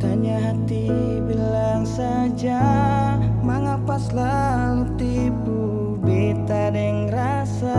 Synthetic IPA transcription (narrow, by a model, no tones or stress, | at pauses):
kaɲaɦat̪i | bilaŋsa | d͡ʒa | maŋapasla | lut̪i | pu | bit̪adɛŋɾa | sa